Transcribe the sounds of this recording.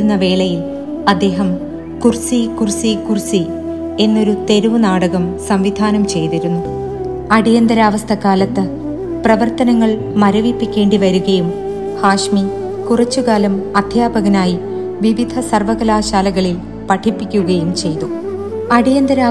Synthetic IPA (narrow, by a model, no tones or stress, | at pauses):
unːɐʋe̞ːɭɐjil | ɐd̪ːe̞ːɦɐm | kursikursikursi | e̞nːo̞ɾut̪e̞ɾuʋɐnaːɽɐɣɐmsɐmʋid̪ʱaːnɐmt͡ɕe̞jt̪iɾunːu | ɐɽijɐnd̪ɐɾaːʋɐst̪ʰɐkaːlɐt̪ːɨ | prɐʋɐrt̪ɐnɐŋːɐɭ | mɐɾɐʋipːikʲːe̞ːɳɖiʋɐɾuɣɐjum | haːʂmi | kurɐt͡ɕːukaːlɐmɐd̪ʱjaːbɐɣɐnaːji | ʋiʋid̪ʱɐsɐrʋɐɣɐlaːɕaːlɐɣɐɭil | pɐʈʰːipːikʲːuɣɐjumt͡ɕe̞jt̪uɐɽijɐnd̪ɐɾaː